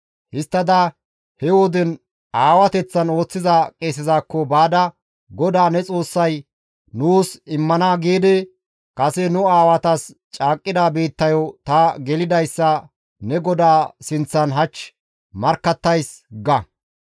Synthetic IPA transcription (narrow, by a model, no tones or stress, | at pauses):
hɪst̪ːɐd̪ɐ | hɛwɔd̪ɛn | aːwɐt̪ɛt͡sːɐno̞ːt͡sːɪzɐkʼeːs̬ɪzaːkːɔbaːd̪ɐ | ɡɔd̪aːnɛt͡sʼo̞ːsːɐj | nuːsɪmːɐnaːɡiːd̪ɛ | kʼɐsɛnʊaːwɐt̪ɐst͡ʃʼaːkʼːɪd̪aːbe̞ːt̪ːɐjɔt̪ɐɡɛlɪd̪ɐjsːɐ | nɛɡɔd̪aːsɪnt͡sːɐnɦɐt͡ʃː | mɐɾkːɐt̪ːɐjsɡɐ